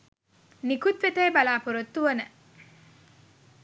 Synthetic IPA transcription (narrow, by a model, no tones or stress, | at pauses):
nikut̪ʋet̪eːbɐlaːpuɾot̪ːuʋɐnə